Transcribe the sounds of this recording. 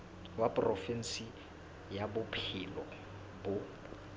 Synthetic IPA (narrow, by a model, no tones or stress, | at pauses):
wapʊrɔfɛn̩si | jabʊpʰɪlɔ | bʊ